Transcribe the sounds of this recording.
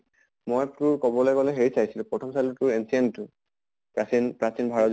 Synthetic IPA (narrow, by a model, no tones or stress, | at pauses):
mojtuɹkɔbɔlɔkɔlɛɦeɹisajsilũpɹɔtʰɔmsalutuɹensientʊ | pɹasinpɹasinbʱaɹɔ